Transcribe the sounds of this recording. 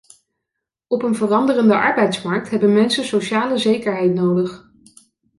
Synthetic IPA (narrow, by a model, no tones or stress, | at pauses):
ɔpənvərɑndərəndəʔɑɹbɛjtsmɑɹk̚tɦɛbənmɛnsənsoʃaːləzejkəɹɦɛjtnowdəχ